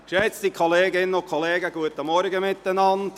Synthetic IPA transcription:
ʃɛt͡stikʰoleːɡɪnənʊkʰoleːɡəɡuətəmɔɾɡəmɪtːənɑnd

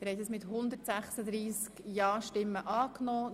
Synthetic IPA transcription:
əɾhɛt̪əsmɪt̪hʊnd̪əɾtsæχsəd̪ɾiːskjɑːʃtɪmːəʔɑːknɔː

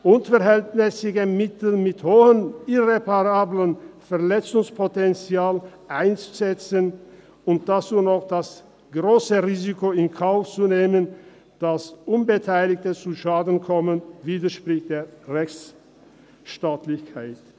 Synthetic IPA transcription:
ʔʊnfɛɐɦɛltnɛsɪɡəmɪtl̩mɪthoːənɪʁepaʁaːblənfɛɐlɛt͡sʊŋspʰotɛnt͡sjaːlʔaɪnt͡su̥zɛt͡sən | ʊnt̚d̥asuːnɔxd̥as | ɡ̥ʁoːsəʁiːzikoɪnkʰaʊft͡suneːmən | d̥asʔʊnbətʰaɪlɪk̚tət͡suʃaːdn̩kʰɔmənviːdɐʃpʁ̥ɪçt̚d̥eːɐʁɛçt͡s | ʃtaːtlɪçkʰaɪt

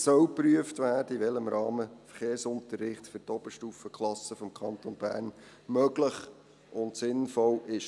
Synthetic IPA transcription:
sœwpɾyəftvʋæːd̥əiʋɛləmɾɑːməfəɾχeːɾsʊntərːɪχtfʏtɔb̥əʃtuːfəkʰχlˠɑsəfɔmkʰɑnt̪onbæ̰ːɾn | mœɡləχ | ʔʊntsɪnfɔlɪʃ

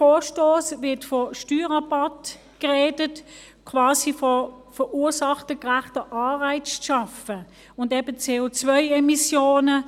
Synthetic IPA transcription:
fɔːʃtoːsvɪɐtfɔʃtyːʁɑbat | kʁeːdət | kʰvaːsifɔ | fəʔuːsɑχtəkʁæχtəʔɑːʁaɪt͡sʃɑfə | ʊndɛbət͡seːoːt͡svœɪɛmisjoːnə

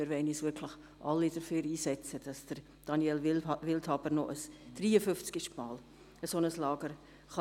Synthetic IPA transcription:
ɪɾvɛnisʋɪɾkʰlɪχ | ʔɑlːid̥əfyːɾiːsɛt͡səd̥ɑsd̥əɾ | d̥ɑnjɛlvɪlthɑbəɾnɔʔəsd̥riːəfʏft͡skɪʃmɑːl | əsonəslɑːɡəɾ | χɑ

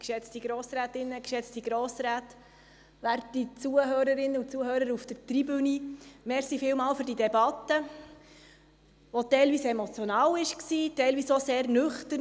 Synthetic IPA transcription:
kʃɛt͡stiɡɾoːsɾæːtɪnːəkʃɛt͡stiɡɾɔːsɾæːt | ʋærtːit͡suəɦøːɾəɾɪnːəut͡suəɦøːɾəɾufd̥ətribønimɛɾsifɪːlmɑːlfɵɾdidɛbɑtə | ʋɔtɛjlʋiːsɛmɔt͡sjɔnɑːwɪʃksiːtɛɪlʋiːsoseːɾnʏχtə

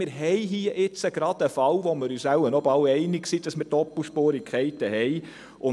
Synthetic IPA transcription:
ɪɾɦɛjɦiːəʔɪt͡səɡ̥ɾɑd̥̪əfɑwʋɔmɪɾyːsæwənɔbɑwɛɪnɪksiːd̥ɑsmɪɾtɔpuʃpoːɾɪkʰɛɪt̪əhɛj | ʔʊ

